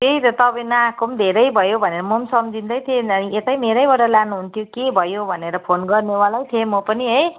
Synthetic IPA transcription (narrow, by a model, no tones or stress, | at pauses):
keit̪ʌt̪ʌbanaakomd̪ʱeɾʌjbʱʌjobʱʌneɾʌmʌmsʌmd͡zʱind̪ʌjt̪ʰeʌniet̪ajmeɾʌjbaʈʌlanuɦunt̪ʰjokebʱʌjobʱʌneɾʌpʰonɡʌrnewalajt̪ʰemʌpʌniɦʌj